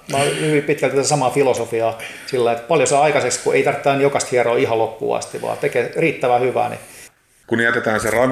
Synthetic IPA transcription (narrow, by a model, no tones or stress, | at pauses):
mɑhyʋimpit̪kælt̪t̪ːæsɑmɑfilosofiɑ | silːɑiet̪pɑljosɑːɑikɑsekskuʔeit̪ɑrt̪ːɑːnjokɑst̪hiɑroːihɑlokːṵːɑ̰st̪iʋɑ̰ːt̪ekeriːt̪ːæʋæhyʋæ̰ːnḭ | kunijæt̪et̪æːnserɑ